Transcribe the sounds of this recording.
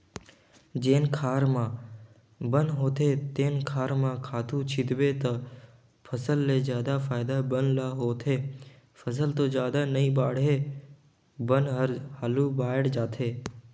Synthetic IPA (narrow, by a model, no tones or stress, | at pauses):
d͡ʒeːnkʰaːɾmã | bənɦoːt̪ʰeːt̪eːnkʰaːɾmãkʰaːt̪ʰũt͡ʃʰɪd̪ʋeːt̪ɐ | pʰəsəlːeːzjaːd̪afaːɪd̪abənlaɦoːt̪ʰeː | pʰəs̬əlt̪oːd͡ʒjaːd̪anəĩːbaːɽɦeː | bənɦəɾhaːlubaːɪɽd͡ʒaːt̪ʰeː